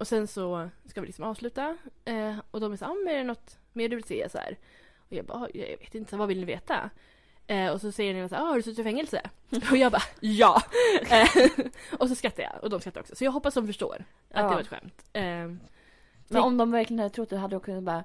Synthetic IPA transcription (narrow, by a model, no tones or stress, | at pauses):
ɔsɛnsɔskavɪlɪksɔmɑːvslʉ̟ːt̪a | ɔd̪ɔmæʂsaːɾɔmːɛɾɛnɔt̪ː | meːɾɖɵvɪlseːa̰sa̰hæ̰ːɾ | ɔjɑ̰ːɡba̰ɑj̰vḛːt̪ɪnəsæːɾvavɪlnɪvḛːt̪a̰ | ɛɔsɔsɛjːəɾneːnasæːɾɑːhaɖɵslʉːt̪fɛŋːɛlsə̰ɔjɑːɡbɑjɑː | ɔs̬ɔskat̪ːajɑ̰ʔɔ̰d̪ɔmskat̪ːɾɔ̰ksɔsɔjɑːɡɦɔpːasd̪ɔmfœʂʈo̰ːɾ | ʔa̰d̪ɛvaɾɛt̪ɧɛ̰mt̪ | mɛnɔmd̪ɔmvæɾklɪənhad̪ət̪ʰʊt̪ːd̪ɛɦad̪ːədɔkʰɵnːat̪bɑːɾa